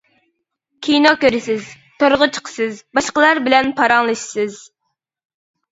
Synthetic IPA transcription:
kʲʰijnokʲøɾɪsɪz | t̪ʰoɾʁət͡ʃʰə̥qʰə̥sɨzbɑʃqəlˠɑɾbɪlɛnpʰɑɾɑŋlˠɨʃi̥sɨz

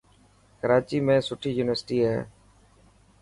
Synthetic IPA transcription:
kəɾaːt͡ʃiːmẽːsʊʈʰiːjuːnɪʋəɾsɪʈiːɦɛ̰ː

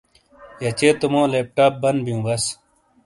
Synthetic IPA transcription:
jɐt͡ɕeːt̪umõːleːp̚ʈaːp̚bɐnbijũːbɐs

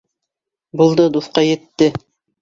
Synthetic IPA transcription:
bulˠd̪ɤd̪uθqɑjɘ̆t̪ːɘ

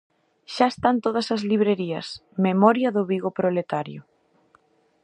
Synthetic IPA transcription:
ʃaest̪ant̪oðɐsɐzliβ̞ɾeɾiɐsmemɔɾjɐðʊβiɣopɾolet̪aɾjʊ̰

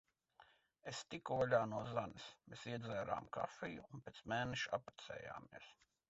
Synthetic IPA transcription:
est̪ikualʲaːnuɔzanismeːsiɛd̪zʲɛːɾa̰ːmka̰fijuːnpʲeːt̪smɛːnɛʃapɾɛ̥t̪sɛ̰ːja̰ːmiɛs

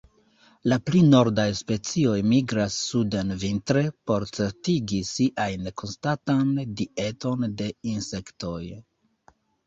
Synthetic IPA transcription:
laplino̞ɾdajspe̞t͡sio̞jmiɡɾasːudenvintɾe̞po̞ɾt͡se̞ɾtiɡisiʔajnkʰo̞nstatandie̞to̞nde̞inse̞kto̞j

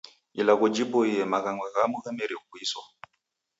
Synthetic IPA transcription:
ilaɣud͡ʒipɔijɛmaɣaŋɡwaɣamuɣamɛɾiɔkwisɔ

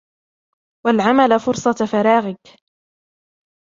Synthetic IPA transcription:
walʕamalafʊɾsˤɑt̪faɾˤɑːɣɪk

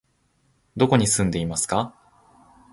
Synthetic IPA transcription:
d̪o̞ko̞ɲ̟isɨ̃nd̪e̞imasɨ̥ka

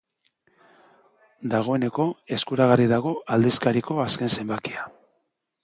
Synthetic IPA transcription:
d̪aɣ̞o̞e̞ne̞ko̞e̞skuɾaɣ̞ariðaɣ̞o̞ald̪iskaɾiko̞aske̞nse̞mbakia

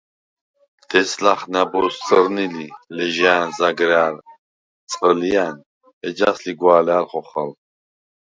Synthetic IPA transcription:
t̪ʰɛslaχnabɔst͡sʼəɾnililɛʒanzaɡɾaːɾ | t͡sʼəlian | ɛd͡ʒasliɡwaːlalχɔχa̰l

